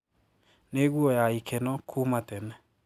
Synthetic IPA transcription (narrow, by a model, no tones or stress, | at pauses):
neːɣwɔjaikʰɛnɔkʰumatɛnɛ